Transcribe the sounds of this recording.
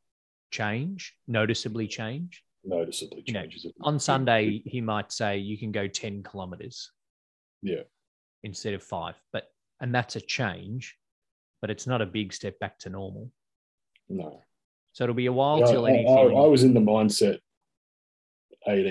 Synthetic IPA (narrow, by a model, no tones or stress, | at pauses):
t͡ʃʰẽɪ̃nd͡ʒnoʊɾɨsɨblit͡ʃʰẽɪ̃nd͡ʒ | noʊɾɨsɨblit͡ʃə̃nsʌ̃ndeɪimaɪtseɪjɨkɨ̃n̩ɡoʊtʰɛ̃nkʰəlɑmɨɾə̰˞z̥ | jæ | ɨ̃nstɛɾʌv̥fa̰ɪv̥b̥ʌɾ | ɨ̃nðætsɨt͡ʃʰẽɪ̃nd͡ʒ | b̥ʌɾɨtsnəɾɨbɪɡstɛp̚b̥æk̚tʰɨnɔɹml̩ˠ | noʊ | soʊɨɾl̩ˠbiɨwaɪlˠtɪlˠɛniaɪ̃ɪaɪwʌzɨ̃nðəmãɪ̃nsɛɾ | ʔeɪɾ